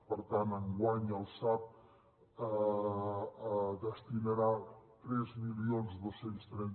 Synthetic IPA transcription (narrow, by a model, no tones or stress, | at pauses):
pəɾt̪anəŋɡwaɲəlˠsap̚ | ə | ðəst̪inəɾat̪ɾɛzmilionzðosenst̪ɾɛn